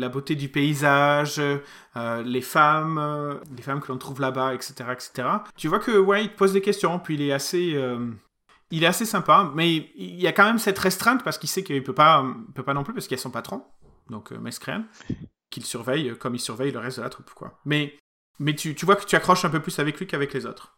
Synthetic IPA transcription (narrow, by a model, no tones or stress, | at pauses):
labot̪ed̪ypeizaʒ | ølefamlefamkəlɔ̃t̪χuvlabaɛkset̪eʁaɛkse̥t̪eʁat̪yvwakʰəwɛilt̪ə̥pozd̪ekʲɛst̪jɔ̃pɥiːlɛaseøm | ilɛt̪asesɛ̃pamɛiljakɑ̃mɛmsɛt̪ʁɛst̪χɛ̃t̪paʁsə̥kilsɛkəilpøpaøilpøpanɔ̃plypaʁsəkilɛsɔ̃pat̪χɔ̃ | d̪ɔ̃kʰø̰mɛskχɛ̰n | kʲilsyʁvɛjøkɔmilsyʁvɛjləʁɛst̪̚d̪əlat̪χupkwa̰mɛ | mɛt̪yt̪yvwakə̥t̪yakχɔʃɛ̃pøplysavɛklɥikavɛklezo̰t̪χ